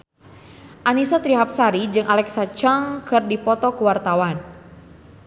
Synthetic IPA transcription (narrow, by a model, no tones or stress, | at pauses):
ʔanisat̪ɾiɦap̚saɾid͡ʒɨŋʔalɛksat͡ʃaŋkɨrdipɔt̪ɔkuwart̪awan